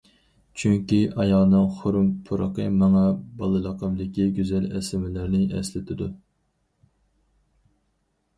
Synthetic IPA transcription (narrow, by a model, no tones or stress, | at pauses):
t͡ʃʰyŋkʲiʔɑjɑʁnɨŋχʊɾumpʰuɾəqəmɑŋɛbɑlˠɨlˠɑqəmd̪ɪkʲiɡʲyzɛlɛsɪmɪlɪɾnɪɛ̰slɪt̪ʰɪd̪u